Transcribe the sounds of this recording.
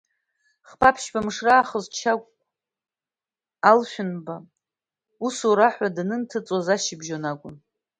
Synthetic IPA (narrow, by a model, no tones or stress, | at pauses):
χpʰapʰʃbamʂraːχəzt͡ʃʰakʷʼ | alʃʷᶣʊnba | usoɾaħʷᶣadnɨntʰɨt͡sʼozaʃɪbʒonaɡʷʼʊ̰n